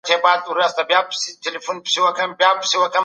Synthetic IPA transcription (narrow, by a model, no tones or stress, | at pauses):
t̪ʰebaːd̪uɾɐst̪ɐbjaːpsitelifunpi̥siwɐkɐmbjaːpsiwɐkɐ